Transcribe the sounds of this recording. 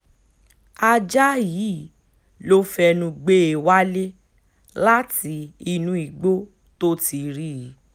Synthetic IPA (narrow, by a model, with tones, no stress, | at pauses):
a˧d͡ʒa˦jiː˨˦˨ | lo˦fɛ˧nũ˧ɡ͡be˦e˨wa˦le˦ | la˦ti˧˦i˧nũ˧i˨ɡ͡bo˦ | to˦ti˧ɾi˦˨˦